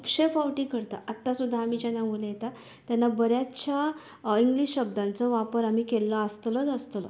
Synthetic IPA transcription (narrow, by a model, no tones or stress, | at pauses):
upɕefawʈikəɾt̪aʔat̪ːasud̪ʱːaːmid͡ʑanːamuljet̪a | t̪janːabəɾjat͡ɕja | iŋɡliɕɕəbd̪ãnt͡sɔʋapəɾamiːkelːəəst̪lət͡səst̪lə̰